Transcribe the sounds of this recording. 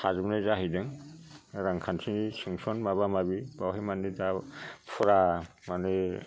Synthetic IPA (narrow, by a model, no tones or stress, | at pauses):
azbnazaɦijdaŋ | ɾaŋkʰansʰinisuŋsɔnmaβamabibawɦemanidapʰɔɾa | mane